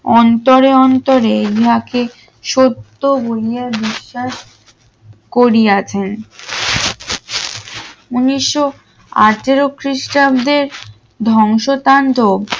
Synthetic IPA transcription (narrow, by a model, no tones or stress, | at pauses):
ɔnt̪oɾeɔnt̪oɾeiɦake | ʃot̪ːobolijaɾbiʃːaʃ | koɾiat͡ɕʰen | uniʃːo | a̰ʈeɾokɾiʃʈabd̪eɾ | d̪ʱɔŋʃot̪ant̪ob